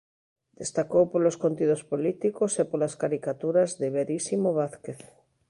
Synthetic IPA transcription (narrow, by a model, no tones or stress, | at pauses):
d̪est̪akowpoloskont̪iðospolit̪ikosepolaskaɾikat̪uɾazðeβeɾisimoβaθkeθ